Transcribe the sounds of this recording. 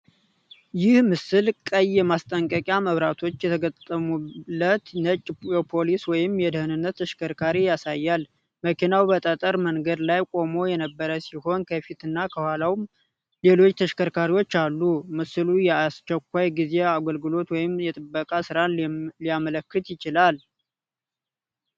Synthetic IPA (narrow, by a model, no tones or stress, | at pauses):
jɪhmɨsɨlkʼəjːɛmast̪ʼəŋkʼəkʼjaməβɾat̪ʰo̞t͡ʃːjɛt̪ʰəɡət̪ːəmubət̪nət͡ʃʼːjɛpʰo̞liswɔjɪmjɛd̪əhɨnɨnːət̪ːʰəʃkʰəɾkʰaɾijasajːal | məkʰinawbət̪ʼət̪ʼəɾməŋɡəd̪lajkʼo̞mo̞jɛnəbːəɾəsiho̞nkʰəfit̪ɨnːakʰəhwalawm | le̞lo̞t͡ʃːt̪ʰəʃkʰəɾkʰaɾiwo̞t͡ʃːalːumɨsɨlujɛast͡ʃːɛkʷːajɡize̞aɡəlɡɨlo̞t̪wɔjɪmjɛt̪ʼɨbːəkʼasɨɾanlijamələkːɨt̪jɪt͡ʃɪlal